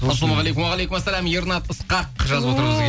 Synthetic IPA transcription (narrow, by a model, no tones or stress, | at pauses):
ɑlomʁɑlejkʊmwɑʁɑlejkʲʊmæsːælæmjeɾnɑt̪əsqɑqʒɑzəpwot̪əɾɴəzʲ